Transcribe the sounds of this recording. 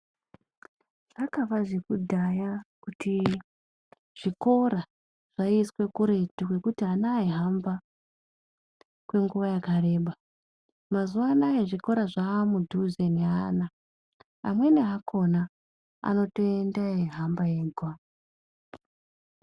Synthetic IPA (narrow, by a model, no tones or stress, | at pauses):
ʐ̥akaʋaʐekudʱajakutʰi | ʐ̥iko̞ra | ʐ̥aiswe̞kuɾe̞tukwe̞kutianaiɦamba | kwe̞ŋɡuʋajakare̞ːɓa | mazuʋanajeʐiko̞ɾaʐamudʱuzeniana | amwe̞neakʰo̞na | a̰no̞toendaeɦambajeːɡʱwa